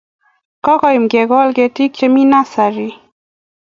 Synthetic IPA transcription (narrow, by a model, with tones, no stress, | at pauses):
kɔ˦kɔ˦˨i˨mɡɛ˨ɡɔ˦lɡe˨ti˦k̚t͡ʃe˦mi˦na˦sa˨ɾi˦